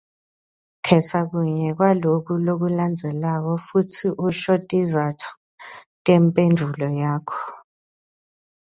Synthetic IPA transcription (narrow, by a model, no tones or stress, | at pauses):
kʰɛtʰak̬uɲɛk̬walok̬ʰulok̬uland͡zʱɛlak̬ɔfutʰiʔuʃɔtʼizatʰu̥ | tʼɛmpʼendʱulɔjaːkʰɔ̥